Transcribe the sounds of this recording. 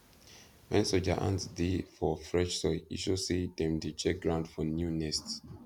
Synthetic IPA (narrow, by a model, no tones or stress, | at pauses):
wɛ̃nsɔd͡ʒaʔã̰ntdifɔfɹɛ̃t͡ʃsɔḭʃusid̪ɛ̃mdut͡ʃɛk̚ɡɹãʊndfɔnjunɛsts